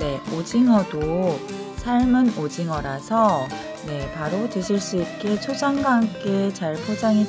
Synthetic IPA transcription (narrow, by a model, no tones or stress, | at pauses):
ne̞od͡ʑiŋɦʌdo | sʰaɭmɯnod͡ʑiŋɦʌɾasʰʌ | ne̞paɾotɯɕʰiɭs͈uit̚k͈e̞t͡ɕʰod͡ʑʰaŋɡaŋk͈et͡ɕaɭpʰod͡ʑaŋi